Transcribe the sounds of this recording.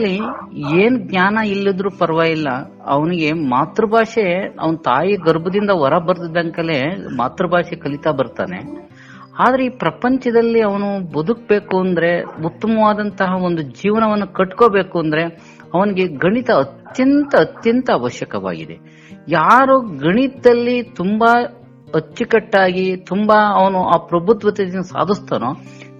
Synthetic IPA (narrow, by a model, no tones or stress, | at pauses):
ɐlːieːnɡɲaːnɐilːid̪ɾuːpɐɾʋaːjilːɐ | ɐ̰ʋɐniɡe̞maːt̪ɾɐbʱaːʂeɐ̰ʋɐnɐt̪aːjiɡɐɾbɐd̪ind̪ɐʋɐɾɐbɐɾt̪id̪ːɐŋkɐlema̰ːt̪ɾɐbʱaːʂekɐɭit̪aːbɐɾt̪a̰ːne̞̰ | aːd̪ɐɾe̞iːpɾɐpɐɲt͡ʃɐd̪ɐlːiɐʋɐnubɐd̪ʱuk̚be̞ːkuɐnd̪ɐɾe̞ut̪ːɐmɐʋaːd̪ɐnt̪ɐɦɐond̪ud͡ʒiːʋɐnɐʋɐnːukɐʈkoːbe̞ːkuɐnd̪ɐɾe̞ | ɐʋɐniɡe̞ɡɐɳit̪ɐːt̪jɐnt̪ɐːt̪jɐnt̪ɐːʋɐʃjɐkɐʋa̰ːɡḭd̪ḛ | jaːɾuɡɐɳit̪ɐd̪ɐlːit̪umba | ɦɐt͡ʃːikɐʈːaːɡit̪umbɐɐʋɐnuʔaːpɾɐbʱut̪ʋɐt̪ed̪inːɐsa̰ːd̪ʱist̪ɐːnoː